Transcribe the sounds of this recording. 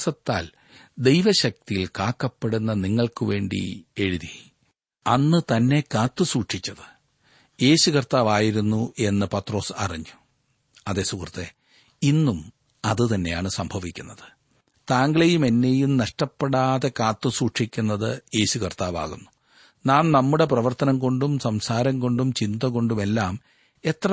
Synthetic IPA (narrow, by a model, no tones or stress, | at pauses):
sɐt̪ːa̰ːl | d̪e̞jʋɐɕɐk̚t̪ijilkaːkːɐpːeɽunːɐniŋːɐɭkɨʋe̞ːɳɖḭe̞ɻuði | ɐnːɨt̪ɐnːe̞kaːt̪ːɨsuːʈʂikʲːɐðɨ̥ | je̞ːɕukɐrt̪aːʋaːjiɾunːuʔe̞nːɨpɐt̪ro̞ːsɐ̰riɲːu | ɐðe̞ːsukrɐt̪ːe | inːum | ɐðɨt̪ɐnːe̞jaːɳɨsɐmbʱɐʋikʲːunːɐðɨ̥ | t̪aːŋɡɐɭejume̞nːe̞jumnɐʂʈɐpːeɽaːðe̞kaːt̪ːɨsuːʂikʲːunːɐðɨje̞ːɕukɐrt̪aːʋa̰ːɣunːu | naːnnɐmːuɽe̞prɐʋɐrt̪ɐnɐŋɡo̞ɳɖumsɐmsaːɾɐŋɡo̞ɳɖumt͡ɕind̪ɐɣo̞ɳɖume̞lːaːm | et̪rɐ